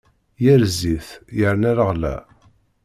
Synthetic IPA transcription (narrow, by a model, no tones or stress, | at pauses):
jəɾziθjəɾnæɾəʁlæ̰